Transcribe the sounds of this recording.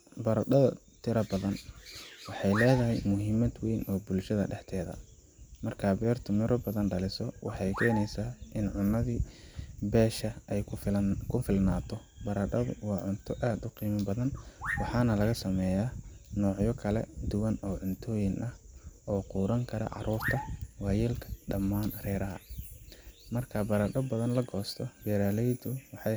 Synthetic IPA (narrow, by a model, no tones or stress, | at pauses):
bɐɾɐɖɐðɐ | t̪ʰɪɾɐbɐðɐnwɑħɑjlɛːðɐɦɛjmʊɦiːmɐd̪wɛjnʔɔːbʊlʃɐðɐ̰ɖɛħt̪ʰɛːðɐ̰mɐrkʰaːbɛːrt̪ʰʊmɪɾɔbɐðɐnɖɐlɪsɔwɑ̰ħɑjkʰɛːnɛjsaːʔɪnʕʊnːɐðiːbɛːʃɐɛjkʰʊfɪlnaːt̪ʰɔ | bɐɾɐɖɐðʊ̰wɑːʕʊnt̪ʰɔʔaːd̪ʊqiːmɪbɐðɐnwɑħɑːnɐlɐɣɐsɐmɛːjaːnɔːʕjɔkʰɐlɛ̰d̪ʊwɐnɔːʕʊnt̪ʰɔːjɪŋʔɐhɔːquːɾɐŋkʰɐɾɐ̰ʕɑ̰ɾuːrt̪ʰɐwɑːjilkʰɐ̥ɖɐmːaːnrɛːɾɐɦɐ̰ | mɐrkʰɐbɐɾɐɖɔbɐðɐnlɐɡɔːst̪ʰɔb̥ɛːɾaːlɛjd̪ʊwɑħɑ